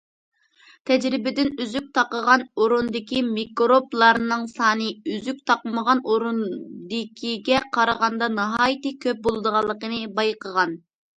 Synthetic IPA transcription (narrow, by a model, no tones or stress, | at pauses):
t̪ʰɛd͡ʒɾɪbɪd̪ɪnyzyk̚ʲt̪ʰɑqəʁɑnoɾund̪ɪkʲimikɾoplˠɑɾnɨŋsɑːnɨyzyk̚ʲt̪ʰɑqməʁɑnoɾund̪ɪkʲʰiɡʲɛqʰɑɾəʁɑnd̪ɑnɑɦɑːjt̪ɨkʲʰøp̚bolˠɨd̪əʁɑlˠːəqənɨbɑjqəʁɑn